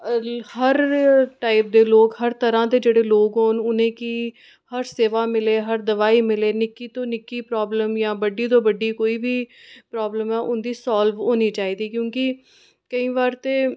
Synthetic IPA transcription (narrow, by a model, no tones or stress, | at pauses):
həɾʈaːɪp̚d̪eːloːkɦəɾt̪əɾãːd̪eːd͡ʒeːɽeːloːkɦoːnʊnẽːkiː | həɾseːʋaːmɪleːɦəɾd̪əʋaːiːmɪleːnɪkiːt̪õːnɪkiːpɾɔːbləmjãːbəɖiːt̪̬õːbəɖiːkoːiːbiːpɾɔːbləmɛːʔʊnd̪iːsaːlʋoːniːt͡ʃaːiːd̪iːkjõːkɪ | kəĩːʋaːɾt̪eː